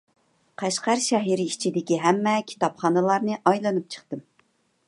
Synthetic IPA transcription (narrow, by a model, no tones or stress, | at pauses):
qʰæʃqæɾʃɛɦiɾɪit͡ʃʰid̪ɪkʲiɦɛmːɛkʲʰi̥t̪ɑpχɑnɨlˠɑɾnɨʔɑjlˠɨnɨp̚t͡ʃʰə̥χt̪ɨm